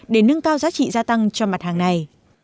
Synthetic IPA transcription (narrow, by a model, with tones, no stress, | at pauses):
ɗe˧˩nɨ˧ŋkaː˧wzaː˨˦t͡ɕḭ˧˨zaː˧t̪a˧ŋt͡ɕɔ˧ma˨˩t̚haː˨˩ŋna˨˩j